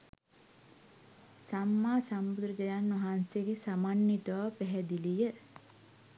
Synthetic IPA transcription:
samːaːsambud̪ɾɐd͡ʒɐjanːɐɦanseɡesamanːit̪ɐʋaːpɛɦɛd̪ilijə

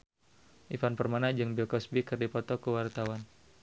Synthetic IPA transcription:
ʔifanpərmanad͡ʒɨŋbilkɔsbikɨrdipɔt̪ɔkəwart̪awan

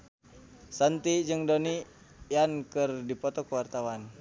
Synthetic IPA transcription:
sant̪id͡ʒɨŋdoni | jankɨrdipɔt̪ɔkəwart̪awan

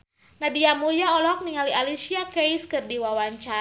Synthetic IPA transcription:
nadiamujaɔlɔk̚niŋalialisiakeiskɨrdiwawaɲt͡ʃa

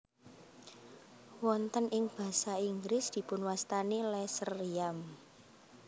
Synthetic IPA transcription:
wɔnt̪ənɪŋb̥ä̤saiŋɡɾɪsd̪̥i̤pʊnwast̪anilɛsəriam

